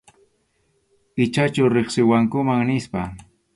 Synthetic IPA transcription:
ɪt͡ʃat͡ʃʊɾeχsɪwaŋkʊmaŋnɪspa

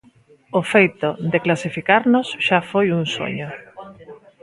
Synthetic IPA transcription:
ofejt̪od̪eklasifikaɾnosʃafojuŋso̰ɲʊ

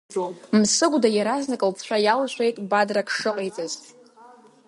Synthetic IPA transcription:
msɨɡʷdajaɾaznakʼlt͡sʰħʷᶣajalaʃʷejtʼbadrakʰʂɨqʼejt͡sʼaz

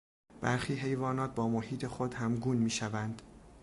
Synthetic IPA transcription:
b̥æɾxiːɦe̞jvɒːnɒːt̪̚bɒːmohiːt̪ʰe̞xod̪hæmɡuːnmiːʃævænd̪

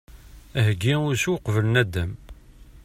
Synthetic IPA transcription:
æɦəɡːiʊɾsuwqvələnæd̪ːæm

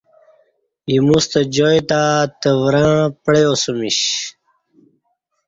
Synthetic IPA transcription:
imust̪əd͡ʑojt̪at̪əvɾãpɽejosumiɕ

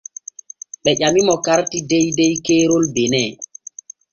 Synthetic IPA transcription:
ɓɛʄamimɔkaɾtidɛjdɛjkeːɾolbenɛː

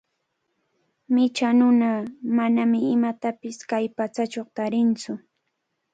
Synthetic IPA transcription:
mɪt͡ʃanʊnamanamɪɪmat̪apɪskajpat͡sat͡ʃoχt̪aɾɪnt͡sʊ

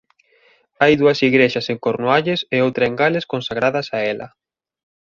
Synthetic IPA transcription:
ajðuɐsiɣɾeʃɐseŋkoɾnuaʎeseowt̪ɾɐeŋɡalɪskõnsaɣɾaðɐsaɛlɐ̰

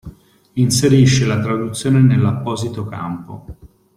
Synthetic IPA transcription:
inseɾiʃːelat̪ɾad̪ut̪sːjoːnenelːapːɔːzit̪oka̰mpo̰

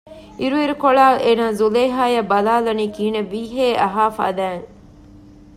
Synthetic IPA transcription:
ʔiɾuiɾukoɭaːlʔeːnaːzuleːɦaːjɐbɐlaːlɐniːkiːneʋiːɦeːʔɐɦaːfa̰ːd̪æːŋ

